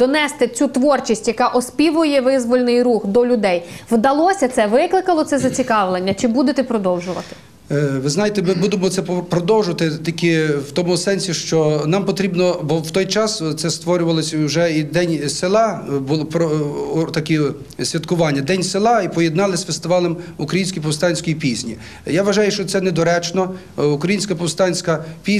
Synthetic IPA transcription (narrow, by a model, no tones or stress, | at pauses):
d̪̥ɔnɛst̪ɪt͡sʲut̪ʋɔrt͡ʃisʲtʲjɐkɑʔɔspʲiʋʊjɛʋɪzʋɔlʲnɪjruxd̪ɔlʲʊd̪ɛjʋd̪ɐlˠɔsʲɐt̪sɛʋɪklˠɪkɐlˠɔt̪sɛzɐt͡sʲikɑʋlˠenʲːɐt͡ʃɪbud̪et̪ɛpɾɔd̪ɔwʒʊʋɐ̰t̪ɪ̥ | ʋɪznɑjet̪ɛmɪbud̪emɔt̪ɛpɾɔd̪ɔwʒʊʋɐt̪ɪt̪ikʲɪwt̪ɔmʊsɛnʲsʲiʃt͡ʃɔnɑmpɔt̪ɾʲibnɔbɔwt̪ɔjt͡ʃɑst̪sɛst̪ʋɔɾʲʊʋɐlˠɔsʲwʒɛid̪ɛnʲselˠɑbʊlˠpɾɔt̪ɐkʲi | sʲʋʲɐt̪kʊʋɑnʲːɐd̪ɛnʲselˠɑipɔjed̪nɑlˠɪsʲfest̪ɪʋɑlˠɛmukɾɐjinʲsʲkʲijp̬ɔwst̪ɑnʲsʲkɔjipʲizʲnʲi | jaʋɐʒɑjʊʃt͡ʃɔt̪sɛnɛd̪ɔɾɛt͡ʃnɔ | ukɾɐjinʲsʲkɐpɔwst̪ɑnʲsʲkɐpʲi